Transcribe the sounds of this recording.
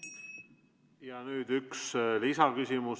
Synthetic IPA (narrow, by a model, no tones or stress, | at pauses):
jɑnyːd̪̥ykslisɑkysʲimus